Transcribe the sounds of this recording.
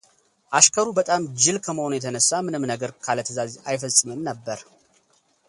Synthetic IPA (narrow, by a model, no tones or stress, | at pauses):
ʔaʃkʰəɾubət̪ʼamd͡ʒɪlkʰəməho̞nujɛt̪ʰənəsːamɨnɨmnəɡəɾkʰalət̪ʰəzazajfəsʼɨmɨnnəbːəɾ